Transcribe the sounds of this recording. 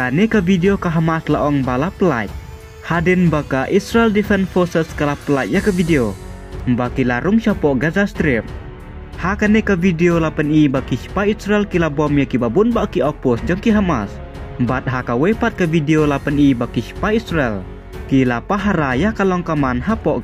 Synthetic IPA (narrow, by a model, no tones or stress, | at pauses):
kanekavideokaɦamaslaʔɔŋbalapəla̰ | hadɛnbakaʔisɾaɛldifɛnfɔsɛskalapəlaʔ̚jakavideo | mbakilaɾuŋʃɔpɔʔɡazast̪ɾim̚ | hakanɛkavideolapənibakisi̥paisɾaɛlkilabɔmjakibabunbaʔkiɔpɔsd͡ʒɔŋkiɦama̰s | mbat̪̚ɦakawɛpat̪̚kavideolapənibakisi̥paisrɛl | kilapaɦaɾajakalɔŋkamanɦapɔʔ